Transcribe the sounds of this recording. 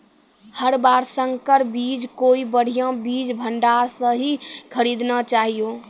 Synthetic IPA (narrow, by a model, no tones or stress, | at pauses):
həɾbaɾsə̃ŋɡkəɾbid͡ʒkoibəɽ̤ijãbid͡ʒbʱəɳɖaɾsə̃ɦikʰəɾid̪nat͡ʃaɦijo